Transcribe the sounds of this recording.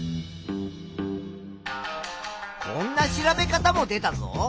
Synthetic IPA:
kʰõ̞̰nːaɕiɾabe̞kat̪amo̞d̪e̞t̪azo̰

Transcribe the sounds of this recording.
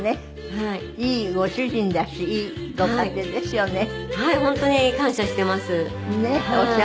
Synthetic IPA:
ne̞ | hai | iːɡo̞ɕɨʑĩnd̪aɕiiːɡokait̪ed̪e̞sɨjo̞ne̞haihõ̞nt̪o̞ɲ̟ikãɰ̃ɕaɕi̥t̪e̞masɨ | neoɕa

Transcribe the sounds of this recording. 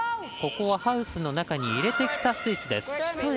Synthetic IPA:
ko̞ko̞βahaɯ̟sɨno̞nakaɲ̟iːɾe̞t̪e̞kʲi̥t̪asɨisɨd̪e̞sɨ̥

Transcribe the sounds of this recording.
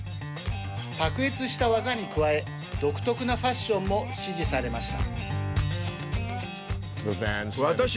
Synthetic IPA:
pakɯ̟it͡sɨɕi̥t̪aβazaɲ̟ikɯ̟βae̞ | d̪o̞kɯ̟̥t̪o̞kɯ̟naɸaɕːõ̞mːo̞ɕiʑisaɾe̞maɕi̥t̪a̰ | ðəvænβat̪aɕ

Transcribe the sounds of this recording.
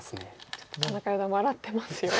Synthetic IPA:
sɨnet͡ɕott̪ːod̪onːakaid̪amaɾat̪ːe̞masɨjo

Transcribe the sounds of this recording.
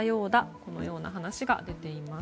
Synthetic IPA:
jo̞ːd̪ako̞no̞̰jo̞ːna̰ɦanaɕiɡa̰d̪e̞t̪e̞ima

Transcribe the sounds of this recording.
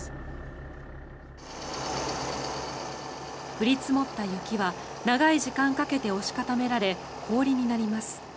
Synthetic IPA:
ɸɯ̟ɾʲit͡sɨmo̞t̪ːajɯ̟kʲiβanaɡaiʑikãŋkake̞t̪e̞o̞ɕi̥kat̪ame̞ɾaɾe̞ | kʰo̞ːɾʲiɲ̟inaɾʲimasɨ̥

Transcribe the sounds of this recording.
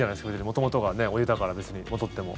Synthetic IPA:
anaeskʰʲod͡ʑiɾʲimo̞t̪o̞mo̞t̪o̞ɡane̞oit̪akaɾabe̞t͡sɨɲ̟imo̞d̪o̞t̪ːe̞mo̞̰

